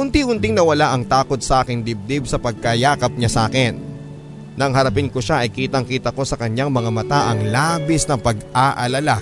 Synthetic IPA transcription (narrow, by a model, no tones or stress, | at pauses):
hʊnt̪ihʊnt̪ɪŋnɐwɐlaʔɐŋt̪aːko̞t̪̚sɐʔaːkɪŋd̪ɪb̚d̪ɪbsɐpɐɡ̚kɐjaːkɐp̚ɲasaːkɪnː | ɐŋɦɐɾɐpɪnkoʃaʔɐjkiːt̪ɐŋkiːt̪ɐko̞sɐkɐɲaŋmɐŋɐmɐt̪aʔɐŋlaːbɪsnɐŋpɐɡʔaʔɐlɐla